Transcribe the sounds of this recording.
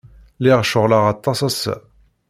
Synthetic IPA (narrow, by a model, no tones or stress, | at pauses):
lɛʁʃʊʁlaʁat̪ːɑsasæ̰